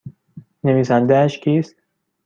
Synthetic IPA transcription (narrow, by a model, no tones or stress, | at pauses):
neʋiːsænd̪ææʃcʰʲiːst̪̚